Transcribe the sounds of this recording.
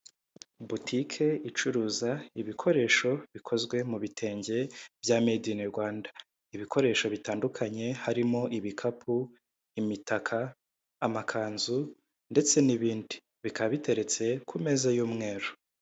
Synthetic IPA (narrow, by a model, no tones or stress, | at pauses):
butʰikʰe̞it͡ʃuɾuːzaiβikʰo̞ɾe̞ːʃo̞βikʰo̞zɡwe̞muβitʰe̞ːɲɟe̞vjaːme̞dineɾɡwaːnda | iβikʰo̞ɾe̞ʃo̞βitaːndukʰaɲe̞haɾimo̞ʔiβikʰapʰu | imitakʰaː | makʰaːnzu | nde̞t͡se̞niβiːndi | βikaβite̞ɾe̞t͡se̞kʰume̞ːzajuːmŋe̞ːɾo